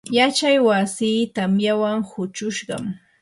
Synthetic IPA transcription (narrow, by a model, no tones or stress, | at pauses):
jat͡ʃajwasiːt̪amjawaŋhʊt͡ʃʊʃɢɑ̰m